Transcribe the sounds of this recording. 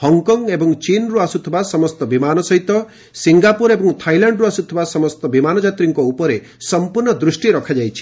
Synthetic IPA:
hɔŋkɔŋɡebɔŋt͡ʃinɾuasut̪ʰibasɔmɔst̪ɔbimanɔsɔɦit̪ɔ | siŋɡapuɾebɔŋt̪ʰajlaɳɖɾuasut̪ʰibasɔmɔst̪ɔbimanɔd͡ʒat̪ɾiŋkɔupɔɾe | sɔmpuɾɳɔd̪ɾusʈiɾɔkʰad͡ʒajt͡ʃʰi̥

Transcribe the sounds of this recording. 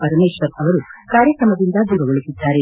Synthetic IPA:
pɐɾɐneːʂɐɾɐʋɐɾukaːɾjɐkɾɐmɐd̪ind̪ɐd͡ʒ̪uɡɐɡoɭusid̪ːaːɾe

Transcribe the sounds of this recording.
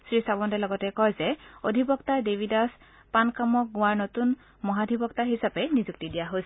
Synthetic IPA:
sɹisabɔntɛlɔɡɔtɛkɔjzɛodʱibɔktaɹdebʱidas | pankamɔk̚ɡʊ̃aɹnotun | mɔɦadʱibɔktaɦisapɛnizuk̚tidijaɦojsɛ

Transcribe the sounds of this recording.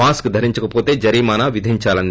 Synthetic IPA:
aːskd̪ʱɐɾiɲt͡ʃɐkɐpo̞ːt̪e̞ːd͡ʒɐɾiːmaːnaʋid̪ʱiɲt͡ʃaːlɐn

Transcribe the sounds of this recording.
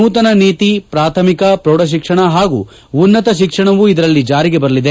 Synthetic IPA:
uːt̪ɐnɐneːt̪ipɾaːt̪ʰɐmikɐpɾoːɽɐʃ̬ikʂɐɳɐɦaːɡṵ | unːɐt̪ɐʃ̬ikʂɐɳɐʋuid̪ɐɾɐlːid͡ʒaːɾiɡebɐɾɐlid̪e

